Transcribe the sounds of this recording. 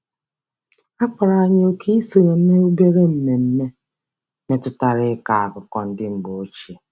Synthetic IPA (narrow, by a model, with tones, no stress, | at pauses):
a˦k͡pa˨ɾa˨a˨ɲ˦o˦kʰi˦i˦so˨ɾe˨m̩˦me˦o˦be˦ɾe˦m̩˦me˨m̩˦me˦ | me˦tʊ˦ta˦ɾɪ˦ka˨a˨kʊ˨kɔ˨n̩˦dɪ˦m̩˨ɡ͡bo˨o˦t͡ʃe˨